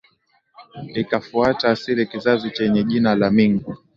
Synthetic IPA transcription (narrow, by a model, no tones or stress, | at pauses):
ikafuataːsiɾikizazit͡ʃɛɲɛʄinalamiŋɡu